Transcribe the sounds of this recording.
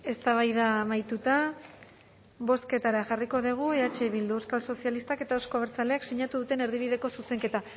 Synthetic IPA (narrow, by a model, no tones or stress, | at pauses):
e̞st̪aβ̞ajðamajt̪ut̪a | βo̞ske̞t̪aɾaʝariko̞ðiɣ̞ue̞at͡ʃe̞βild̪uewskalso̞sialist̪ake̞t̪aosko̞βɾt͡sale̞akseɲat̪uðut̪e̞ne̞ɾðiβ̞iðe̞ko̞suse̞ŋke̞t̪a